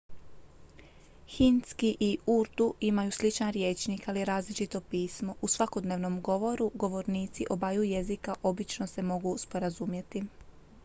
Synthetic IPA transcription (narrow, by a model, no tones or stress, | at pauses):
xinskiʔiuɾt̪uimajuːslit͡ʃnaɾjeːt͡ʃnikalieɾaːzlit͡ʃit̪o̞piːsmo̞ʔusʋako̞d̪neʋno̞mɡo̞ʋo̞ɾuɡo̞ʋo̞ɾniːt̪siʔo̞bajuje̞zikaʔo̞bit͡ʃno̞se̞mo̞ɡuspo̞ɾazumje̞t̪i